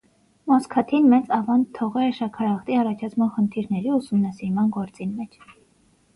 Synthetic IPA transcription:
mɔskʰɑt̪ʰinmɛt͡sɑvɑnt̪ʰːɔʁɛɛʃɑkʰɑɾɑχt̪iɑrɑt͡ʃʰɑt͡sʰmɑnχənt̪ʰiɾnɛɾiusumnɑsiɾmɑnɡɔɾt͡sinmɛt͡ʃʰ

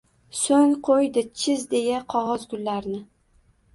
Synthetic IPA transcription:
soŋqʰojd̪ɪt͡ʃʰɪzd̪e̞jaqʰɒʁɒzɡʊlːaɾnɪ

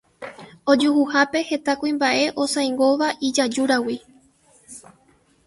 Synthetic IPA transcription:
o̞d͡ʒuhuhape̞he̞t̪akuĩmbaʔe̞ʔo̞sãj̃ŋɡo̞ʋaʔid͡ʒad͡ʒuɾawi

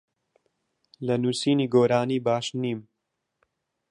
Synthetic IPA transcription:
lɐnuːsiːniːɡoːɾaːniːbaːʃniːm

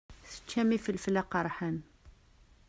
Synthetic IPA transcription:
θə̥t͡ʃːæmifilflæqɑɾˤħan

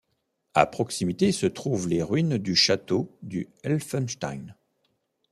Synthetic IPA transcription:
a̰pχɔksimit̪esət̪χuvleʁɥind̪yʃat̪od̪yɛlfɛnʃt̪a̰jn

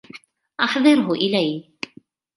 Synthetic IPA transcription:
ʔɑħðˤɨɾɦʊʔɪlæj

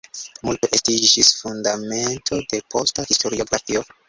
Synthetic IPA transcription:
multe̞ʔestid͡ʒisfundame̞ntʰo̞de̞pʰo̞stahisto̞ɾio̞ɡɾafio̞

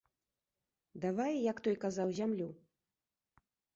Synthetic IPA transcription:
d̪avajjakt̪ɔjkazawzʲamlʲu

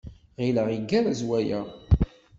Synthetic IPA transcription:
ʁiləʁiɡːæɾæzwæjæ

